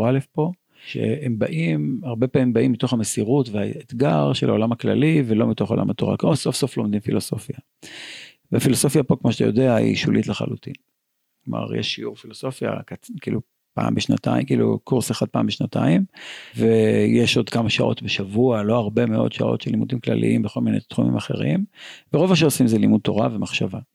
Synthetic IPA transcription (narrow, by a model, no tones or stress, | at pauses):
alefpo̞ | ʃḛembaʔimaʁbe̞paːmimbaʔimːito̞χamesiʁutveaet̪ɡaʁʃelʔaolamhakla̰livelo̞mito̞χo̞la̰mat̪o̞ʁa̰kmoso̞fso̞flo̞md̪imfilo̞so̞fja | veafiloso̞fjapo̞kmoʃat̪ajo̞deaḭʃulʔitleχa̰lut̪ḭn | kloma̰ʁjḛʃːiuʁfiloso̞fja̰kakiːlu | pa̰ːmbeʃna̰t̪a̰imkiːlṵkuʁseχad̪̚paːmbeʃnata̰imvejeʃo̞d̪kamaʃaʔotbeʃavualo̞aʁbe̞meo̞̰d̪ʃa̰ʔo̞̰tʃelimud̪imkla̰lʔḭʔimbeχo̞lminejt̪χumḭmaχe̞̰ʁimveʁovmaʃ̬eosimzelimud̪̚t̪o̞ʁavemaχʃava